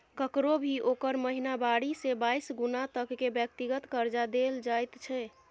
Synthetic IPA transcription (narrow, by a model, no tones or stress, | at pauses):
kəkɾobʱiʔokəɾməɦinabaɽisebaisɡunat̪əkːebjək̚t̪iɡət̪kəɾd͡ʒad̪eld͡ʒajt̪t͡ʃʰɛ